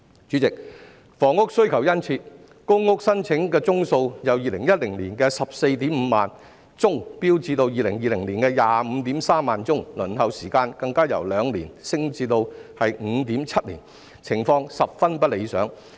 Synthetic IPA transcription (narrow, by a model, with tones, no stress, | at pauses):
t͡ʃy˨˥t͡sɪ˨k̚ | fɔː˨˩ŋʊ˥k̚sɵ˥ɥkʰɐ˨˩wjɐ˥nt͡sʰiː˧t̚ | kʊ˥ŋːʊ˥k̚sɐ˥nt͡sʰɪ˨˥ŋkɛː˧t͡sʊ˥ŋso˧wjɐ˨˩wjiː˨lɪ˨˩ŋjɐ˥t̚lɪ˨˩ŋliː˨˩nkɛː˧sɐ˨p̚se˧jt̪iː˨˥mm̩˨˧ma̰ː˨n | t͡sʊ˥ŋpiː˥wt͡siː˧t̪o˧wjiː˨lɪ˨˩ŋjiː˨˧lɪ˨˩ŋliː˨˩nkɛː˧jaː˨˧m̩˨˧t̪iː˨˥msaː˥mːaː˨nt͡sʊ˥ŋlɵ˨˩nhɐ˨˧wsiː˨˩kaː˧nkɐ˧ŋkaː˥jɐ̰˨˩wlœː˨˧ŋlḭː˨˩nsɪ˥ŋt͡siː˧t̪o˧whɐ˨j̩˨˧˥t̪iː˨˥mt͡sʰɐ˥t̚lḭː˨˩n | t͡sʰɪ˨˩ŋfɔː˧ŋsɐ˨p̚fɐ˥npɐ˥le˨˧jsœ̰ː˨˥ŋ